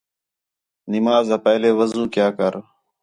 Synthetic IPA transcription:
nɪmaːzaːpɛːleːʋəzũːkjaːkəɾ

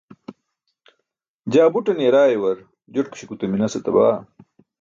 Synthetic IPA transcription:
d͡ʑaːbuʈɐnjeɾaːjwɐɾ | d͡ʑoʈku̥ɕikut̪ɐminɐsɐt̪ɐba̰ː

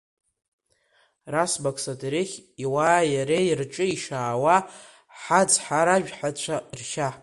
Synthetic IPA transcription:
rasbakʰʼsatʼeɾɪχʲiwaːjaɾerʈ͡ʂʼɨiʂaːwa | ħad͡zħaɾaʒᶣħat͡ɕʷʰarʃa

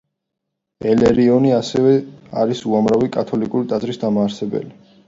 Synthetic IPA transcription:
ɛlɛɾiɔniasɛvɛaɾisuamɾavikʼat̪ʰɔlikʼuɾit̪ʼazʼɾisd̪amaːɾsɛbɛ̰li

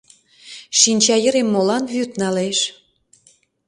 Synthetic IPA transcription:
ʃinʲt͡ɕɑjə̆ɾemːolɑnβyt̪nɑleʃ

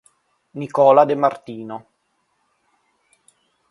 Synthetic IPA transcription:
nikɔːlad̪emart̪iːno

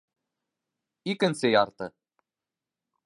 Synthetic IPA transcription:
ikɘ̆nsɘjɑɾt̪ɤ

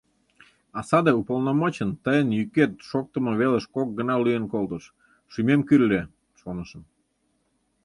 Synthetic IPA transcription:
ɑsɑd̪eupolˠnomot͡ɕənt̪əjənjyket̪ʃok̚t̪əmɤ̆βeləʃkok̚ɡə̆nɑlyjənkolˠt̪əʃ | ʃymemkyɾlʲe | ʃonəʃə̆n

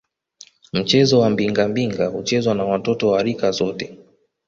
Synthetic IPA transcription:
m̩t͡ʃɛzɔwambiŋɡambiŋɡahut͡ʃɛzwanawatɔtɔwaɾikazɔtɛ

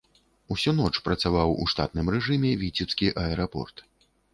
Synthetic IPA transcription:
usʲɔn̪ɔt͡ʂpɾɐt̪savawṵʂt̪a̰t̪nɨmrɛʐɨmʲɛvʲit͡sʲɛpskʲiʔɐɛɾapɔ̰rt̪

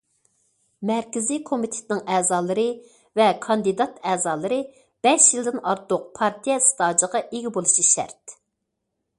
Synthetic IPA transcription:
mɛɾkʲɪzikʰomit̪ʰe̥t̪ɪnɪŋɛːzɑːlˠɨɾɨ | vɛkʰɑnd̪ɨd̪ɑt̪ɛːzɑːlˠɨɾɨ | b̥ɛʃjilˠd̪ɪnɑɾt̪ʊq̚pʰɑɾt̪ʰijɛsɨ̥t̪ʰɑːd͡ʒəʁɑʔeɡʲɪbolˠuʃiʃɛ̰ɾt̪̚

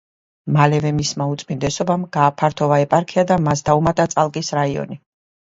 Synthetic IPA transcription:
malɛvɛmismaut̪sʼmind̪ɛsɔbamɡaːpʰaɾt̪ʰɔvaɛpʼaɾkʰiad̪amasd̪aumat̪ʼat̪sʼalˠkʼisɾaiɔ̰ni

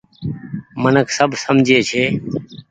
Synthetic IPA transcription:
mənəkʰsəbʱsəmd͡ʒʱeːt͡ʃʰeː

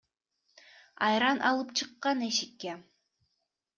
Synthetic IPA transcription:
ɑjɾɑnʔɑlˠɯpt͡ʃʰɯqːɑneʃikːe

